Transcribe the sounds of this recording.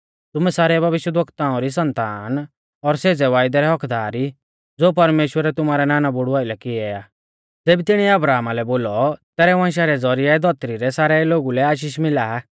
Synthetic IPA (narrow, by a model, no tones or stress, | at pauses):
t̪ʊmɛsaːɾɛbʱɐʋɪʃjəd̪ʋəkt̪ãːɔ̃ɾis̬ɐ̃nt̪aːn | ɔɾseːd͡zɛʋaːɪjd̪ɛɾɛɦɔkd̪aːɾi | d͡zoːp̬ɐɾmeːʃwəɾɛt̪ʊmaːɾɛnaːnabʊɽuaːɪlɛkɪɛaː | d͡zeːbit̪ɪɽ̃iɛɐbɾaːmalɛboːlɔt̪ɛːɾɛʋãnʃ̬aɾɛd͡zɔɾiaɛd̪ʱɔt̪ɾiɾɛsaːɾɛloːɡulɛaːʃ̬iːʃmɪlaːa